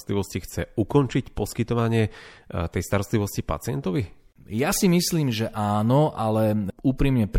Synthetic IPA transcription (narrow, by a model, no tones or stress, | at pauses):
t̪liʋɔscixt͡sɛukɔnt͡ʃicpɔskit̪ɔʋaɲɪɛt̪ɛjst̪aɾɔst̪liʋɔscipa̰t͡sɪɛnt̪ɔʋi | jasimisliːmʒɛʔaːnɔʔalɛuːpɾimɲɛp